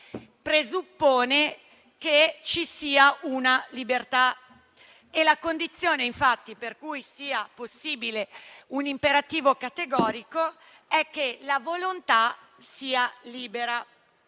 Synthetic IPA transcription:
pɾezupːoːne | ket͡ʃisiːaunalibert̪a | elakond̪it̪sːjoːneiɱfat̪ːiperkujsiːaposːiːbileunimpeɾat̪iːvokat̪eɡɔːɾiko | ɛkːelavolont̪a | siːaliːbeɾa

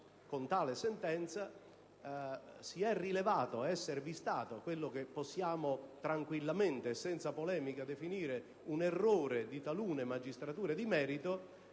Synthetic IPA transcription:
kont̪aːlesɛnt̪ɛnt̪sa | siɛrːilevaːt̪oaɛsːeɾvist̪aːt̪oakwelːok̟epːɔsːjaːmot̪ɾaŋkwilːament̪eːsːɛnt̪sapolɛːmikad̪efiniːɾe | unɛrːoːɾed̪it̪aluːnemad͡ʒist̪ɾat̪uːɾed̪imɛːɾit̪o

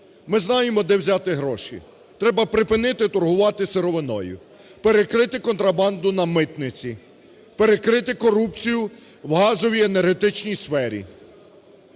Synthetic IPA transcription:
mɪznɑjemɔd̪ɛwzʲat̪ɪɦɾɔʃḭ | t̪ɾɛbɐpɾɪpɪnɪt̪ɪt̪ɔrɦʊʋɑt̪ɪseɾɔʋɪnɔ̰jʊ̰ | pe̞ɾekɾɪt̪ɪkɔnt̪ɾɐbɑnd̪ʊnɐmɪt̪nɪt͡sʲi | pe̞ɾekɾɪt̪ɪkɔɾupt͡sʲijʊ | wɦɑzɔʋʲienerɦet̪ɪt͡ʃnʲijsfɛɾʲḭ

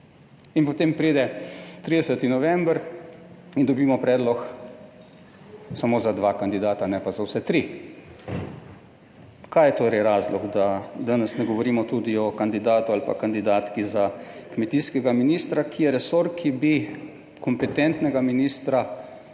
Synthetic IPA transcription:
inpɔt̪eːmpɾiːd̪ɛt̪ɾiːd̪ɛsət̪inɔʋɛmbəɾ | ind̪ɔbiːmɔpɾɛːd̪lɔx | samoːzad̪ʋakand̪id̪aːt̪anɛpazawsɛt̪ɾi | kaːjɛt̪oːɾɛjɾaːzlɔɡd̪ad̪aːnɛsnɛɡɔʋɔɾiːmɔt̪ud̪iɔkand̪id̪aːt̪ualpa̰kand̪id̪aːt̪kizakmɛt̪iːskɛɡaminiːst̪ɾakʰijɛɾɛsoɾkʰibi | kɔmpɛt̪ɛnt̪nɛɡaminist̪ɾa

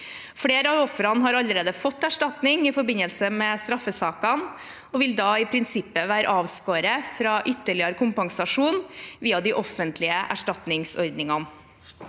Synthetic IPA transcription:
fɽeːɾəɑɔfɾɑnɦɑːɾɑlːəɾeːd̪əfɔt̪ːæʂʈɑt̪nɪŋɪfɔɾbɪnəlsəmeːst̪ɾɑfːəsɑːkɑn | ɔːʋɪld̪ɑːɪpʰɾɪnsɪpːəʋæːɾə̰ʔɑːʋskoːɾəfɾɑːʔʏt̪ːəɭɪəɾəkʰʊmpɑŋsɑʂuːnʋiːɑd̪iːʔɔfənt̪lɪəʔæ̰ʂʈɑt̪nɪŋsɔɾd̪nɪŋɑn

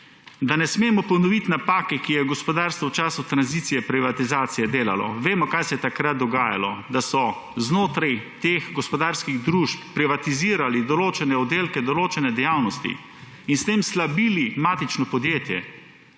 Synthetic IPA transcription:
d̪anɛsmeːmɔpɔnɔʋit̪napaːkɛkijɛɡɔspɔd̪aːɾst̪ʋɔwt͡ʃaːsut̪ɾanzit̪sijɛpɾiʋat̪izaːt̪sijɛd̪eːla̰lɔ̰ʋeːmɔkajsɛjɛt̪akɾat̪̚d̪ɔɡaːja̰lɔd̪asɔ | znoːt̪ɾajt̪eːxɡɔspɔd̪aːɾskiɣd̪ɾuːʃpːɾiʋat̪iziːɾalid̪ɔloːt͡ʃɛnɛɔd̪eːlkɛd̪ɔloːt͡ʃɛnɛd̪ɛjaːwnɔst̪ḭ | inst̪eːmslabilimaːt̪it͡ʃnɔpɔd̪jeːt̪jɛ

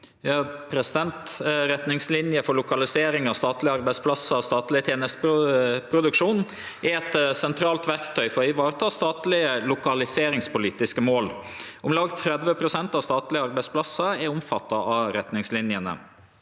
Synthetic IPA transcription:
jɑːpʰɾɛsɪd̪ɛnt̪ɾɛt̪nɪŋslɪnjəfɔɾɭʊkɑlɪseːɾɪŋɑst̪ɑːt̪lɪəɑɾbæɪspʰlɑsːəst̪ɑːt̪lɪət̪ʰjeːnəst̪ppʰɾʊd̪ʉkʂuːn | ʔɛɛt̪sɛnt̪ʰɾɑːlt̪ʋæɾkt̪ʰœʏfɔɾɪʋɑːɾət̪ʰɑːst̪ɑːt̪lɪəlʊkɑlɪseːɾɪŋspʊliːt̪ɪskəmoːl | ʔʊmlɑːɡt̪ʰːɾɛd̪ʋəpʰɾʊsɛnt̪ɑst̪ɑːt̪lɪəɑɾbæɪspʰlɑsːəɛɾʊmfɑt̪ːɑʔɑɾɛt̪nɪŋslɪnjənə̰

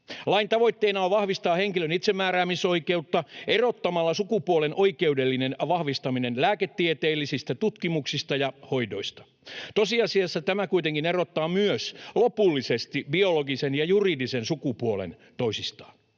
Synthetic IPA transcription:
lɑint̪ɑʋo̞it̪ːeːnɑʋɑhʋist̪ɑːheŋkilønit̪semːæːɾæːmiso̞ikeut̪ːɑerot̪ːɑmɑlːɑsukupuolenʔo̞ike̞udelːinenʋɑhʋist̪ɑminenlæːket̪ːiet̪eːlːisist̪æt̪ut̪kimuksist̪ɑjɑho̞jdo̞̰ist̪ɑ̥ | t̪osiɑsiɑsːɑt̪æmækuit̪eŋkinerot̪ːɑːmyøslopulːisest̪ibio̞loɡisenjɑjuridisensukupuolḛn | t̪o̞isist̪ɑ̥ːn

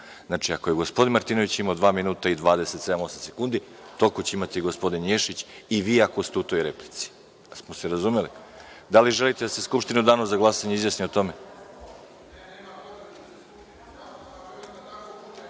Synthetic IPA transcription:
znat͡ʃiako̞jeɡo̞spo̞d̪inmaɾt̪iːnoʋit͡ɕimaod̪ʋaːminuːt̪aid̪ʋaːd̪ese̞t̪se̞d̪amo̞samse̞kund̪i | t̪o̞kot͡ɕeimat̪iɡo̞spo̞d̪injeʃit͡ɕiʋiːakost̪eut̪o̞jɾe̞plit̪si̥ | asmoseɾazume̞li | d̪aliʒe̞lit̪ed̪ase̞skupʃt̪inud̪aːnozaɡlˠasaɲeizjasniot̪o̞me

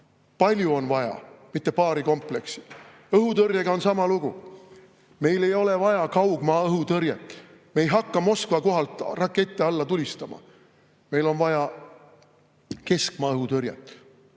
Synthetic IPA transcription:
pɑlʲjuo̞nvɑjɑ̰mit̪ːe̞pɑːɾiko̞mple̞ksi̥ | ɤɦut̪ɤɾjɑɡ̥ɑo̞nsɑmɑluɡ̥u | me̞jle̞jo̞le̞vɑjɑkɑwɡ̥mɑːɤɦut̪ɤrjḛt̪ːˑ | meejɦɑkːɑmo̞skvɑko̞ɦɑlt̪ˑrɑkːe̞t̪ːˑeɑlːɑt̪ulʲist̪ɑmɑ̰ | me̞jlo̞nvɑjɑ | ke̞skmɑːɤɦut̪ɤɾjɑ̰t̪ːˑ

